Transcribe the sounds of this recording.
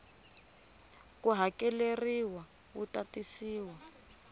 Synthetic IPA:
kuɦakɛleriwa | βṵtatisiːwa

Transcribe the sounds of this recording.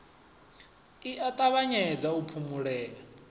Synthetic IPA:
iʔatʼaβaɲɛd͡zaupʰumuɺɛːla

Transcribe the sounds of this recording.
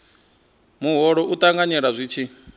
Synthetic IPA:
muɦɔɺɔʔut̪ʼaŋɡaɲɛɺazʷit͡ʃʰi

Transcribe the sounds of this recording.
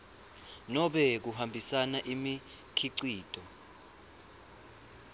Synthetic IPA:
nɔɓɛk̬uhambʱisanaʔimi | kʰiǀiːtʼɔ

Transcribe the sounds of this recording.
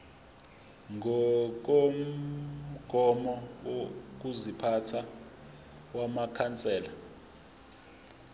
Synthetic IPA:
ŋʱɔk̬ʼom̩ | ɡ̥ʱɔmɔwok̬uzipʰatʰa | wamakʰant͡sʼɛːla

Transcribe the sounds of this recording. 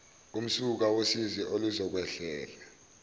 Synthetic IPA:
um̩suk̬awosiziʔoluzɔk̬wɛɬɛːla

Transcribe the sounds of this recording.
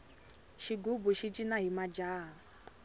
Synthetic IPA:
ʃiɡubuʃit͡ʃʼinaɦimad͡ʒaːɦa

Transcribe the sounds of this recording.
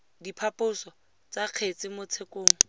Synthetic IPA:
dipʰapʊsɔ | t͡saq͡χʰet͡sɪmʊt͡sʰekoːŋ̩

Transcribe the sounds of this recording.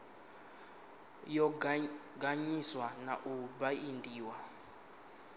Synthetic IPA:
jɔ | ɡaɲiswanaʔubaindʱiːwa

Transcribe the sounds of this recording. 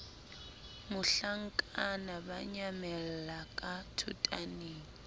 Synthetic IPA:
mʊɬaŋ̩kʼanabaɲamɛlakʼatʰṵtʼaneːŋi

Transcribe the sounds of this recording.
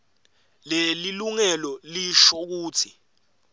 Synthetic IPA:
leliluŋɛlɔliʃɔk̬uːtʰi

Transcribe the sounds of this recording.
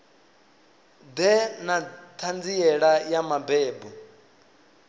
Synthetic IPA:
d̪ɛnat̪ʰand͡ziɛɺajamabɛːbɔ

